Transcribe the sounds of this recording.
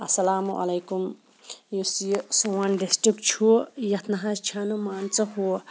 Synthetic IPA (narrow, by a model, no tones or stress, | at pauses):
ɐsɐlaːmuʔɐ̰lɐjkum | jusisowanɖisʈɾikt͡ʃʰujɐt̪ʰnɐɦãst͡ʃʰanumaːnt͡sɐɦu